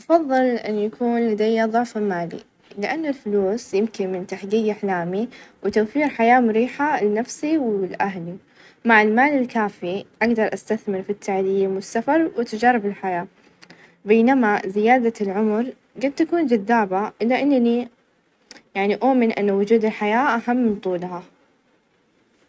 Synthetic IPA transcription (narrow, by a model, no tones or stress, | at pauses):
ʔɑfɑðˤːɨlʔɪ̰nːjakʰuːnlad̪ajːaðˤʊʕfamaːlḭ | lɪʔanːʊlfʊluːsjɪmkɪnmɪnt̪aħɡiːɡʔɪħlaːmiwɪt̪awfiːɾħajaːmʊɾiːħanːafsiwɪlʔaɦli | maʕɪlmaːlɪlkaːfiʔaɡd̪ɑɾˤʔast̪aθmɪɾfit̪ʰːaʕliːmwɪsːafɑɾˤwɪt̪ad͡ʒaːɾˤɪbɪlħajaː | beːnamazɪjaːd̪alʕʊmɾ | ɡad̪̚t̪akuːnd͡ʒad̪ːaːbaɪlːɪʔɪnːni | jaʕniʔoːmɪnʔɪ̰nːawʊd͡ʒuːd̪ɪlħajaːʔaɦamːɪnt̪ˤuːlɦa